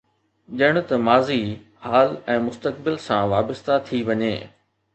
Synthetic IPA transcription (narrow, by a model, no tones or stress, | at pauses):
ʄɐɪɽ̃ʊ̆t̪ɐmaːzi | haːlɛ̃ːmʊst̪əkbɪlsãʋaːbəst̪at̪ʰiʋɐɲeː